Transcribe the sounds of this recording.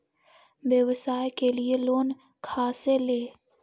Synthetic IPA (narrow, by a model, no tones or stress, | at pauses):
ʋjəʋsaːjkelieloːn | kʰaːseleː